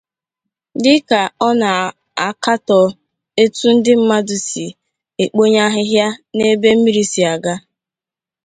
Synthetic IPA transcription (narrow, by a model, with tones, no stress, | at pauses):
dɪ˦ka˨ɔ˦na˨ | a˨ka˦tɔ˨ | e˦tu˦n̩˦dɪ˦m̩˦ma˦du˨si˨ | e˨k͡po˦ɲa˦ɦɪ˦ɦja˦ne˦be˦m̩˦mi˦ɾi˨si˨a˨ɡa˦